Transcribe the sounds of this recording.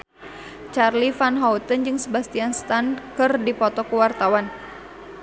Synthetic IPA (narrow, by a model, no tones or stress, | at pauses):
t͡ʃarlifanɦaut̪ənd͡ʒɨŋsəbast̪ianst̪ankɨrdipɔt̪ɔkuwart̪awan